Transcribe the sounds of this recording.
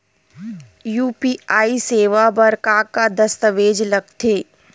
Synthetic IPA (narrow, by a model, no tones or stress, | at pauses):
juːpiːaːiseːʋabɐɾkaːkad̪ɐst̪əʋeːd͡ʒlɐɡt̪ʰeː